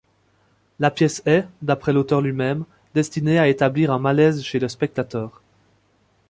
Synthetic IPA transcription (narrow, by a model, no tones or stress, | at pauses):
lapjɛsɛd̪apχɛlot̪œʁlɥimɛm | d̪ɛst̪ineaet̪abliʁɛ̃malɛzʃeləspɛk̚t̪at̪œːʁ